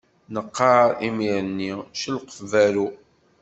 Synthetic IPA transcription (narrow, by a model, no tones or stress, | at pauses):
nəqːɑimiʕənːiʃəlqə̥fvæɾu